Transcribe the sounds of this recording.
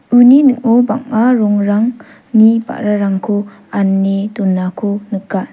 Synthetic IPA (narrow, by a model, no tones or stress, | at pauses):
ɯninɯk̚ɔbaŋaɾɔŋɾaŋ | niba̰ʔɾaɾaŋkʰo | anːetɔnːakʰonɯkːa